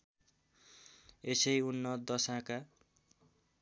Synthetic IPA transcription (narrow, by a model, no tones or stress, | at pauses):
esʌjunːʌd̪ʌsãka